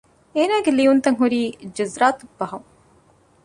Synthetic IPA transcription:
eːnaːɡeliunt̪ɐŋɦuɾiːd͡ʒɐzɾaːt̪ubːɐɦɐŋ

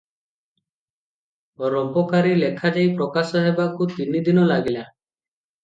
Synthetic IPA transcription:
ɾɔpɔkaɾilekʰad͡ʒajpɾɔkasɔɦebakut̪inid̪inɔlaɡila

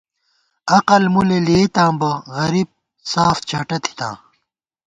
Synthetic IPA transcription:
ɐqɐlmuleleːt̪ãːbɐɣɐɾib̚ | saːft͡ɕʰɐʈɐt̪ʰi̥t̪ã̰ː

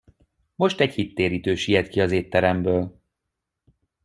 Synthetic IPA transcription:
mo̞ʃt̪ɛɟhit̪ːeːɾiːt̪øːʃijɛt̪kiɒzeːt̪ːɛɾɛmbøːl

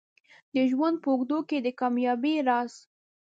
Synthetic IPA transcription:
d̪əʒwand̪̚pəʊɡd̪oked̪əkɑmjɑbiɾɑs

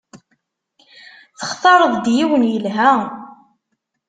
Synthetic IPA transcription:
θəχt̪ˤɑɾˤəðˤd̪jiwənjəlɦæ

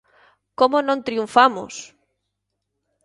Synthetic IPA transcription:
komonõnt̪ɾiũɱfamʊ̰s

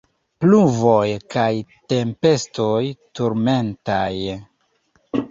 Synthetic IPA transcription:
pluvojkajte̞mpe̞stojtuɾme̞ntaj

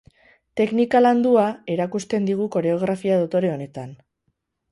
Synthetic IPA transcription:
t̪e̞knikaland̪uae̞ɾakust̪e̞nd̪iɣ̞uko̞ɾe̞o̞ɣ̞ɾafiaðot̪o̞ɾe̞o̞ne̞t̪an

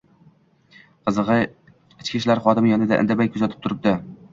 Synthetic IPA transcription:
qʰɨzɨʁɨ | ɪt͡ʃkʲiʃlaɾχɒd̪ɪmɪjɒnɪd̪aʔɪ̰nd̪abajʲkʰʊzat̪ʰɪ̥p̚t̪ʰʊɾɪp̚d̪ɪ

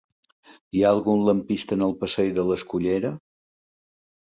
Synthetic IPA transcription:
iaəlˠɣunləmpist̪ənəlˠpəsejðələskuʎeɾə

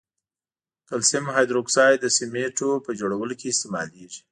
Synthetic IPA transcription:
t̪ʊlsɪmhɑjd̪ɾoksɑjd̪əsɪmeʈopəd͡ʒoɽawəlokeːst̪emɑ̰leʒi̥

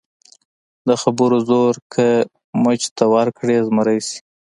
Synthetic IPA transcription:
d̪əxabəɾozoɾkʰə | mət͡ʃt̪awaɾkɽezməɾajsi̥

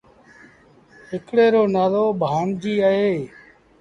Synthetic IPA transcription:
ɦɪkɽeːɾoːnaːloːbʱaːɳd͡ʒiːaːɦeː

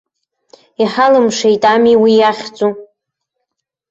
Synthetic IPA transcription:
iħalɨmʂejtʼamiwijaχʲt͡sʼu

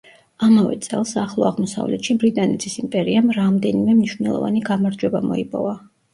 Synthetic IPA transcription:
amavɛ̰t̪sʼɛ̰lˠsaχlˠɔaʁmɔsa̰vlɛt̪ʃibɾit̪ʼanɛt̪ʰisimpʼɛɾiamɾamd̪ɛnimɛmniʃvnɛlˠɔ̰va̰niɡamaɾd͡ʒwɛbamɔipʼɔva

